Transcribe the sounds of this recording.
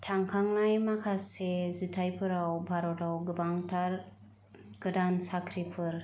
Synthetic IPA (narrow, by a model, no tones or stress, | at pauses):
tʰaŋkʰaŋnajmakʰasezitʰajpʰɯɾawbʱaɾɔtawɡɯbaŋtʰaɾ | ɡ̥ɯdansakʰɾipʰɯɾ